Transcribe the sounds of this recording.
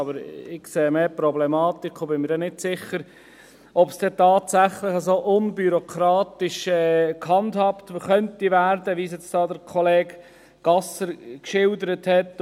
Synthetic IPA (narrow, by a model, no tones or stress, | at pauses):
ɑbəɾɪkseːmeːpɾɔblɛmɑːtikχobɪnmɪɾdɛnɪdsɪχːəɾ | ɔpsd̥ɛtɑːtsæχlɪχəsoːʔʊnbyɾokʰɾɑːtɪʃɛːkhɑndhɑptχœntivæːɾdəʋis̬jɛt͡sd̥ɑːdəɾkʰɔleːɡ | ɡ̥ɑsəɾkʃɪldəɾəthɛt